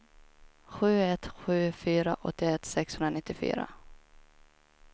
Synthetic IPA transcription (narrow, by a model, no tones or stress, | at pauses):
ɧʉ̟ːɛt̪ɧʉ̟ːfyːɾaʔɔt̪ːɪɛt̪sɛkshɵnɾanɪt̪ːɪfy̰ːɾa̰